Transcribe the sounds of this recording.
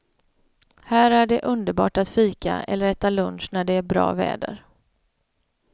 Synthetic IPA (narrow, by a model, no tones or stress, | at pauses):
hæːɾæɖɛʔɵnd̪əɾbɑ̰ːʈat̪fiːka̰ɛ̰lːəɾɛt̪ːalɵnʂnæɖɛæɾbɾɑ̰ːvɛ̰ːd̪ə̰ɾ